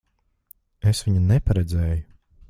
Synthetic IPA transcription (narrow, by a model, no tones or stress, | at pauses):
esviɲunɛpaɾɛd̪zɛːju